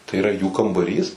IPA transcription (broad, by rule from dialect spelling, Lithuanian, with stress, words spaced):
tɐɪ ɪˈrɐ juː kɐmbɐˈrʲiːs